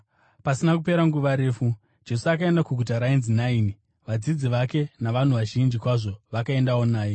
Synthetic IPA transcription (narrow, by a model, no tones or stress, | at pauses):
pasinakupe̞ɾaŋɡuʋaɾe̞ːfu | d͡ʒe̞suakae̞ndakuɡʱutaɾainzinaiːni | ʋad͡zid͡ziʋake̞naʋan̤uʋaʒind͡ʒikwaʐo̞ʋakae̞ndawo̞naːje